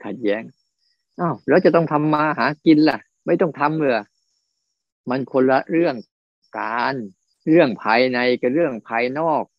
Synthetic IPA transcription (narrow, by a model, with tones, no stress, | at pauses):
kʰa˨˩t̪̚jɛː˨˦˥ŋ | ʔaː˧˩wlɛː˦˥wt͡ɕa˨˩t̪ɔ˥˩ŋt̪ʰa˧mːaː˧ɦaː˩˦ki˧nla˧˩ | ma˥˩jt̪ɔ˥˩ŋt̪ʰa˧mːɯ˧˩ə | ma˧nkʰo˧nla˧ɾɯ˥˩əŋ | kaː˨˧˨n | ɾɯ˥˩əŋpʰaː˧jna˧jka˧˩ɾɯ˥˩əŋpʰaː˧jnɔː˥˩k̚